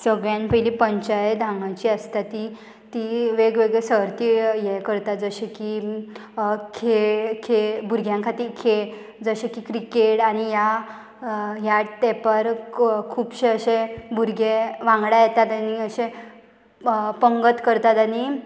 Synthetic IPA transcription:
səɡɭjãnpəjlipəɲt͡ɕajd̪ʱãŋɡãt͡ɕiəst̪at̪i | t̪iʋeɡʋeɡɭesəɾt̪ijekəɾt̪at̪̚d͡zəɕeki | kʰekʰebuɾɡʱjãŋkʰat̪iːɾkʰeɭ | d͡zəɕekikɾikeʈañija | ɦjaɽt̪eɛpəɾkʰuːpɕeəɕebuɾɡeʋãŋɡɽajet̪at̪aniəɕẽ | pəŋɡət̪kəɾt̪at̪ani

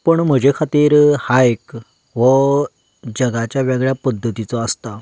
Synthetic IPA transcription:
pəɳm̤əd͡ʑekʰat̪iːɾhaek | ʋə | d͡ʑəɡat͡ɕjaʋeɡɭjapəd̪ʱːət̪it͡sɔəst̪a

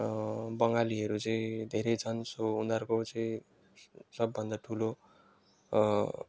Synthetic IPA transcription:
bʌŋɡaliʌɾut͡sʌĩd̪ʱeɾʌjd͡zʰʌnsound̪ʌrkot͡sʌĩ | sʌbːʱʌnd̪aʈʰulo

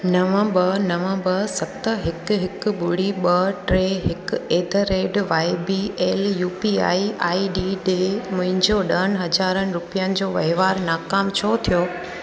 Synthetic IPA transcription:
nɐʋə̃bɐnɐʋə̃bɐsɐt̪əɦɪkɦɪk̆ɓʊɽiɓɐʈɾeːɦɪkeːd̪ʱəɾeːɖʋaːɪbieːljuːpia̰ːia̰ːiɗiːɗeːmɐ̃ɦɪ̃ɲd͡ʑoɗɐənɪ̆ɦɐd͡ʑaːɾənɪ̆ɾʊpijənɪ̆d͡ʑoːʋɐɦɪʋaːɾnaːkaːmt͡ɕʰot̪ʰijoː

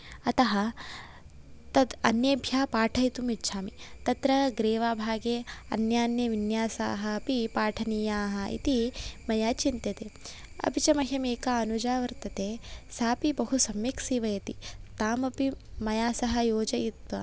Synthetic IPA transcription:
ɐt̪ɐɦɐ | t̪ɐt̪ɐnjeːbʱjaːpaːʈʰɐjt̪umitːʃʰaːmit̪ɐt̪ɾɐɡɾeːʋaːbʱaːɡeːɐ̰njaːnjɐʋinjaːsa̰ːɦɐpipaːʈʰɐniːjaːɦɐḭt̪imɐjaːt͡ʃint̪ɐt̪eː | ɐ̰bit͡ʃɐmɐɦɐmeːkaɐnud͡ʒaːʋɐɾt̪ɐt̪eːsaːpibɐɦusɐmjiksiːʋɐjɐt̪it̪aːmɐpimɐjaːsɐɦɐjoːd͡ʒɐit̪ʋɐ

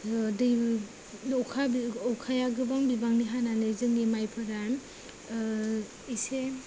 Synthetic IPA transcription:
dɯ | ɔkʰabiɔkʰajaɡɯbaŋbibaŋniɦananɯzɯŋnimajpʰɯɾan | ise

